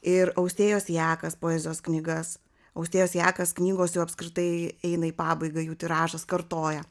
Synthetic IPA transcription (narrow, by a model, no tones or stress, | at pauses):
ɪɾɐʊsʲt̪ʲeːjoːsjæːkɐspoːɛːzʲɪjoːsknʲɪɡɐs | ɐʊsʲt̪ʲeːjoːsjæːkɐsknʲiːɡoːsjɛʊɐpskɾʲɪt̪ɐɪɛɪnɐiːpɑːbɐɪɡɐjuːt̪ʲɪɾɑːʒɐskɐɾt̪oːjɛ